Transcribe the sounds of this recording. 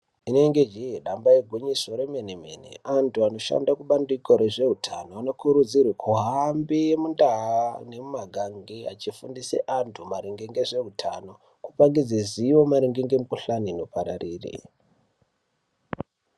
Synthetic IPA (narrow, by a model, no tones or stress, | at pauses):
ine̞ŋɡed͡ʒijeɗambajeɡʱuɲisoɾemeneme̞̰nḛantʰuano̞ʃa̰ndakuɓandikoɾeʐe̞ɦutʰano̞ano̞kuɾud͡zirwikʰuɦambijemundaɦane̞mumaɡʱaŋɡia̰t͡ʃifundisḛʔantʰumaɾiŋɡeŋɡe̞ʐe̞ɦutʰa̰no̞ | kupaŋɡid͡ziziwo̞maɾiŋɡeŋɡe̞mukuɬanino̞pʰaɾa̰riːrḛ